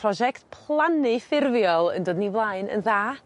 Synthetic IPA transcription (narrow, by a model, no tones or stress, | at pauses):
rɔʒɛktpʰlˠanɨfɪrvjɔlˠə̰ndoːdnivlˠaɨnə̰nðaː